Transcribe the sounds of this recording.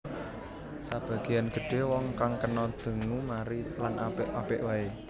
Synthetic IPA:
sab̥a̤ɡ̥i̤janɡ̥ə̤ɖ̥e̤wɔŋkaŋkənɔd̪̥ə̤ŋumaɾilanapʔapɪʔwae

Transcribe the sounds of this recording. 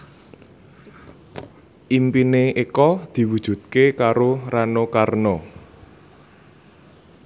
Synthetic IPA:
ʔimpineekɔd̪̥i̤wud̥ʒ̥ṳt̪̚kekaɾoranokarnɔ

